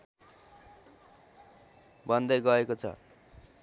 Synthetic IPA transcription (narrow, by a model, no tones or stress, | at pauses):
bʌnd̪ʌjɡʌekot͡sʰʌ̰